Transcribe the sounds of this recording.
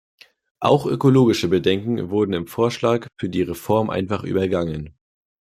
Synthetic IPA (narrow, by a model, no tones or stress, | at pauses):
ʔa̰ʊxʔø̰koloːɡɪʃəbədɛŋkŋ̩vʊɐdn̩ɪmfoːɐʃlaːkfyːɐdiːʁefɔɐmʔa̰ɪnfaχʔy̰ːbɐɡaŋən